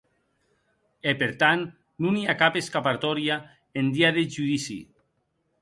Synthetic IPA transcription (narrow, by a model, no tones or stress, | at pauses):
epeɾt̪an | nuniakapeskapaɾt̪ɔɾja | end̪iaðeʒuðisḭ